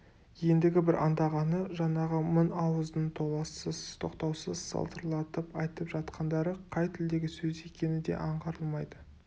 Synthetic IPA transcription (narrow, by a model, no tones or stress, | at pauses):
je̞nd̪ɪɡʲɪbɪɾʔɑnd̪ɑʁɑnəʒɑɴɑʁəmʊnɑwəzd̪ənt̪ʰo̞lˠɑsəzt̪ʰo̞̰qt̪ɑwsəzsɑ̰lˠt̪əɾlˠɑt̪əpɑjt̪əpʒɑt̪qʰɑnd̪ɑɾəqʰɑjt̪ʰɪld̪e̞ɡʲɪsɵze̞kʲe̞nɪd̪e̞̰ʔɑɴqəɾəlˠmɑjd̪ə